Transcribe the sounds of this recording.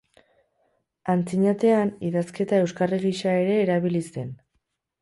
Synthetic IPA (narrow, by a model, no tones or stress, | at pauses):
ant͡siɲat̪e̞aniðaske̞t̪ae̞wskareɣiʃae̞ɾe̞ːɾaβilise̞n